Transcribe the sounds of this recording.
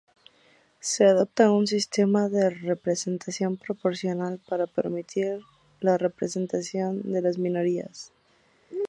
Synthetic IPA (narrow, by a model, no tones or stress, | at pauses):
se̞aðop̚t̪auns̬ist̪e̞maðe̞re̞pɾese̞nt̪asjo̞mpɾo̞po̞ɾsjo̞nalpaɾapḛɾmit̪ʰiɾ | lare̞pɾese̞nt̪asjo̞nd̪e̞lazmĩno̞ɾia̰s